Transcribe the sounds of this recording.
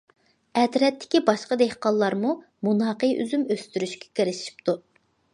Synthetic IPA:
ɛt̪ɾɛt̪ʰːɪ̥kʲibɑʃqɑd̪ehqɑlˠːɑɾmu | munɑːqəjy̰zymøst̪yɾyʃkʲʰɛ̥kʲeɾɪʃi̥p̚t̪u

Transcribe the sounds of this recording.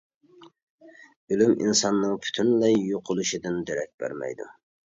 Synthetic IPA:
ølymḭnsɑnːɨŋpʰy̥t̪ʰynlɛjjoqʰʊlˠuʃid̪ɪnd̪eɾɛk̚ʲbæ̰ɾmɛ̰jd̪ṵ

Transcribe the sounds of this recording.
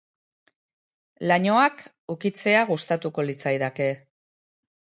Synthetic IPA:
laɲo̞ak | ukit͡se̞aɣ̞ust̪at̪uko̞lit͡sajðake̞

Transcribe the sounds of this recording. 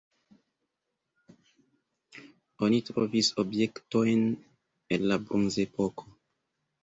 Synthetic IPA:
o̞nitɾovisobje̞kto̞jn | e̞nlabɾonze̞po̞kʰo

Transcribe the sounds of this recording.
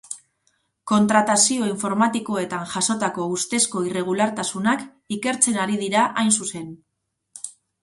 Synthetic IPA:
ko̞nt̪ɾat̪asio̞iɱfo̞ɾmat̪iko̞e̞t̪anʝaso̞t̪ako̞ust̪e̞sko̞ire̞ɣ̞ulaɾt̪asunak | ike̞ɾt͡se̞naɾiðiɾaʔajnsuse̞n

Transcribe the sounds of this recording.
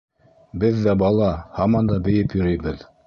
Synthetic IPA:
bɘðːæbɑlˠɑhɑmɑnd̪ɑbɘ̆jɘpjɵ̆ɾɤjbɘð

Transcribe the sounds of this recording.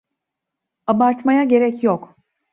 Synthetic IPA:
abaɾt̪majaɟe̞ɾɛcjok

